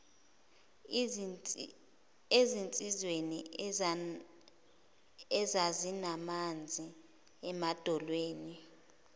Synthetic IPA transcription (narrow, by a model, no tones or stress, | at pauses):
ezint͡sʼizwenḭ | ɛzazinamand͡zʱi | ɛmad̥ʱɔlweːni